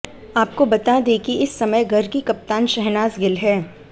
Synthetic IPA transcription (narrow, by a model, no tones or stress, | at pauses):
aːp̚kobɐt̪ad̪eːkiɪsːɐməjɡʱɐɾkikɐp̚t̪aːnʃɛɦnaːzɡɪlɦɛː